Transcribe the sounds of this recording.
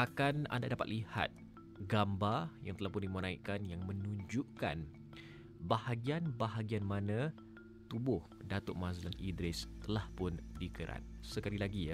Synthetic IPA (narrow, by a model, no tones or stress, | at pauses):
ʔakana̰nda̰dapat̪liha̰t̪̚ | ɡambajaŋt̪əlahpʊndimənaiʔkanjaŋmə̃nũɲd͡ʒuʔka̰n | bahaɡianbaɦaɡianmanã | t̪ubʊh | dat̪ʊʔmãzəlanʔidɾɪst̪əlahpʊndikəɾa̰t̪̚səkalilaɡi